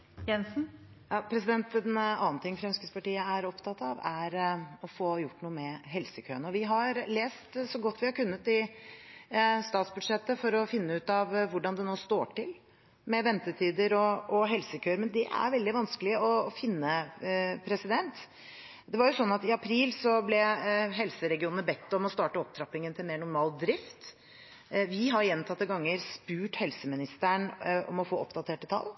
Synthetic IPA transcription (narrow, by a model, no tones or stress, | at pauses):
jɛnsn̩ | jɑːpʰɾɛsɪd̪ɛnt̪ɛnɑ̰ːn̩t̪ʰɪŋːfɾɑœnskəspɑʈiːəæɾɔpt̪ʰɑt̪ːɑʋæɾɔfoːjʊʈːnuːəmɛɦɛlsəkʰøːənɔʋɪɦɑɾleːst̪sɔɡɔt̪ːʋɪhɑɾkʉnːət̪ɪ | st̪ɑːt̪sbʉd̪ʂɛt̪ːəfɔɾɔfɪnːəʉːt̪ɑʋʋʊɖɑnd̪ɛnoːst̪o̰ːʈɪl | mɛʋɛnt̪ət̪ʰiːd̪əɾɔɔɦɛlsəkʰøːɾmɛnd̪ɛʔæ̰ɾʋɛld̪ɪʋɑnskəlɪəɔfɪnːəpʰɾɛsɪd̪ɛnt̪ | d̪ɛʋɑɾjʊsɔnːɑt̪ɪɑpʰɾiːlsɔblɛɦɛlsəɾɛɡɪuːnnəbɛt̪ːɔmɔst̪ɑːʈəɔp̚t̪ʰɾɑpːɪŋənt̪ʰɪlmeːɳʊɾmɑːld̪ɾɪft̪ | ʋɪɦɑɾjɛnt̪ʰɑt̪ːəɡɑŋːəɾspʉːʈhɛlsəmɪnɪst̪æɳɔ̰mɔfoːɔpd̪ɑt̪ʰeːʈət̪ʰɑ̰lː